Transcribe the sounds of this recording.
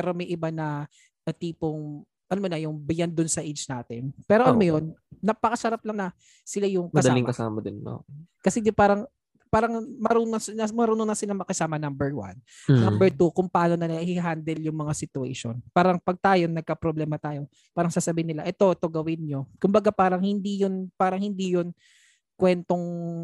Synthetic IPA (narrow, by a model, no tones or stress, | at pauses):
pɛɾo̞mɐjʔɪbanɐ | ʔt̪iːpoŋ | ʔɐnmonɐjʊŋbɪjand̪ʊnsɐʔed͡ʒnaːt̪ɪnpɛːɾoʔɐnmojonːɐpɐkɐsɐɾap̚lɐŋnɐ | sɪlajʊŋkɐd̪ɐlɪŋkɐsa̰ːmɐd̪ɪno̰ːkɐsɛd̪ɪpaːɾɐŋ | paːɾɐŋmɐɾuɐnɐmɐɾuːnonɐsɪlaŋmɐkɐsaːmɐnɐmbɛɹwɐ̰nnɐmbɛɹt̪ukʊŋpɐaːno̞nɐnɐhiɦand̪ɛljʊŋmɐŋasɪt̪ʊɛ̰ʃo̰npaːɾɐŋpɐɡ̚t̪aːjonɐɡ̚kɐpɾoblɛːmɐt̪aːjo̞ | paːɾɐŋsaːsɐbiːɪnɪlaʔɛt̪o̞t̪oɡɐwɪnɲokʊmbɐɡapaːɾɐŋhɪnd̪ijonpaːɾɐŋhɪnd̪ijon | kwɛnt̪o̞ŋ